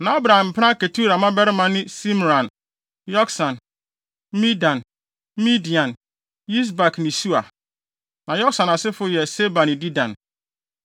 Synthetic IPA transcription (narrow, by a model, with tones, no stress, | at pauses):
nã˨a˦bɾa˨ã˨m̩˨pʰɪ˦ã˦ke˨tʰu˦ɾa˨mã˦bɛ˦ɾɪ˦mã˦nɪ̃˦si˦m˨ɾã˨n | jɔ˦ksã˨n | mĩ˦dã˨n | mĩ˦di˨ã˨n | ji˦s̬ba˨kʰnɪ̃˨su˦a˨ | nã˨jɔ˦ksã˨na˨sɪ˦fʊ˦jɛ˨se˦ba˨nɪ̃˨di˦dã̰˨n